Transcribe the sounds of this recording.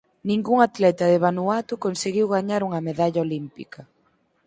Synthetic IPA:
nĩŋɡuŋat̪lɛt̪ɐðɪβanuat̪ʊkonseɣiwɣaɲaɾuŋɐmeðaʎaolimpḭkɐ

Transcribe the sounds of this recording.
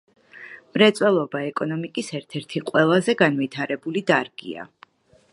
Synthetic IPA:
mɾɛt̪sʼwɛlˠɔbaɛkʼɔnɔmikʼisɛɾt̪ʰɛɾt̪ʰiqʼwɛlˠazɛɡanvit̪ʰaɾɛbulid̪aɾɡ̥ḭa̰

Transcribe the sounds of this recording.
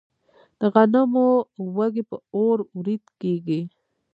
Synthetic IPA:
d̪̥əɣanamowaɡepəoɾwɾid̪keɡi

